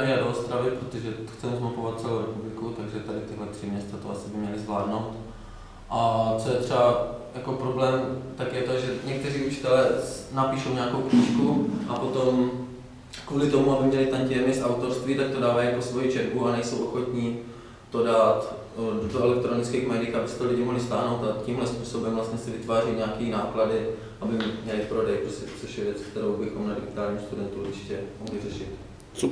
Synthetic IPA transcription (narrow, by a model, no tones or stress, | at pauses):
nɪnadoost̪ɾavɪpɾot̪oʒɛxt͡sɛmzmapovat̪̚t͡sɛlowɾɛpublɪkut̪aɡʒɛt̪adɪt̪ɪɦlɛt̪r̝̥ɪmɲɛst̪t͡sat̪oʔasɪbɪmɲɛlɪzvlaːdno̞wt̪ | ʔat͡sojɛt̪r̝̥ɛbajako̞pɾoblɛːmt̪akjɛt̪oʒɛɲɛk̚t̪ɛriːʔut͡ʃɪ̥t̪ɛlɛːnapiːʃo̞wɲaakowkɲiːʃkuʔapo̞t̪o̞m | kvuːlɪt̪o̞muabɪmɲɛlɪt̪ancɪɛmɪsʔawt̪o̞ɾst̪viːt̪ak̚t̪odaːvajiaposvo̞jit͡ʃɛbuanɛjso̞wʔoxo̞t̪ɲi | t̪o̞daːt̪ | doɛlɛk̚t̪ɾo̞nɪt͡skiːxmɛːdiːxabɪsɛ̥t̪olɪɟɪmoɦlɪst̪aːɦnowt̪acimɦlɛspuːso̞bɛmvlast̪ɲɛsɪvɪt̪vaːrijɲɛakiːnaːkladɪ | ʔabɪmmɲɛlɪpɾo̞dɛjpɾoscɛt̪ot͡soʃjɛvjɛt͡skt̪ɛɾowbɪxo̞mnadɪɡɪt̪aːlɲiːmst̪udɛnt̪uɾt͡ʃɪ̥cɛmoɦvɪrɛʃɪt̪ | t͡so